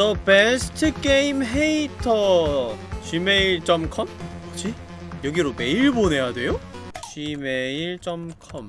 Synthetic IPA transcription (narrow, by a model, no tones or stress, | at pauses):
tʌbesʰɯ̥tʰɯk͈eimɦeitʰʌ | d͡ʑime̞iɭt͡ɕ͈ʌmkʰʌmʌd͡ʑʰi | jʌɡiɾome̞iɭbone̞jadwe̞jo | d͡ʑimeiɭt͡ɕ͈ʌmkʰʌm